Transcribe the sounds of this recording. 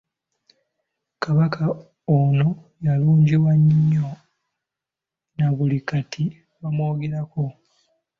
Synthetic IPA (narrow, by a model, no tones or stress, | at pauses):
kaβakʰa | ono̞ | jaluːɲɟiwaɲːo̞ | naβulikatʰi | βamwoːɡeɾako̞